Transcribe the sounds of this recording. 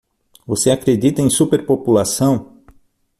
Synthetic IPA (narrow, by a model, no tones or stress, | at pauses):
voseakɾed̪it̪ɐẽj̃supeɾpopulasɐ̃w̃